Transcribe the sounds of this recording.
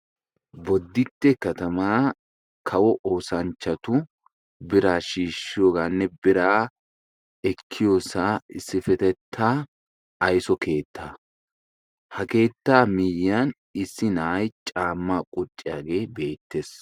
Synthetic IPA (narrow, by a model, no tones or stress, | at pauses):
bɔd̪ːɪt̪ːɛkɐt̪ɐmaː | kʰɐwɔʔoːsɐnt͡ʃːɐt̪ʊ | bɪɾaːʃiːʃːɪjoːɡaːnːɛbɪɾaː | ɛkʰːɪjoːsaːɪsːɪfɛt̪ɛt̪ʰːaː | ɐjsɔkʰe̞ːt̪ːaː | hɐke̞ːt̪ːaːmɪjːan | ɪsːɪnaːjt͡ʃʼaːmːaːkʼʊt͡ʃʼːɪja̰ːɡe̞ːbe̞ːt̪ːeːs